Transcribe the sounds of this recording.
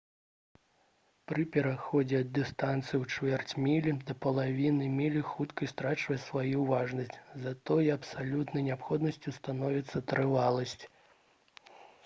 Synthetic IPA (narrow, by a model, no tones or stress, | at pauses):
pɾɨpʲɛɾaxɔd͡zʲɛɐd̪ːɨst̪ant̪sɨjiwt͡ʂvʲɛrt͡sʲmʲilʲid̪ɐpɐlˠavʲinɨmʲilʲixut̪kɐist̪ɾat͡ʂvɐsvajuwvaʐnɐsʲt͡sʲzat̪ɔjɛɐpsalʲut̪nɐjnʲapxɔd̪nɐsʲt͡sʲist̪anɔvʲit̪sːɐt̪ɾɨvalˠɐsʲt͡sʲ